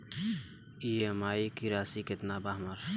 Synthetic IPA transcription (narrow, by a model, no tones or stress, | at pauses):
iemaːikiɾaːsiket̪nabaɦmɐɾ